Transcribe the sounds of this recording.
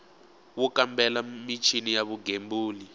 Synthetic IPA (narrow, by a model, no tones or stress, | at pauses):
wukambɛlamit͡ʃʰinijaβuɡembuːli